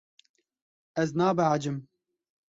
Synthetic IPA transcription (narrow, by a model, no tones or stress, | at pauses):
ʔɛznaːbɨʕad͡ʒɪm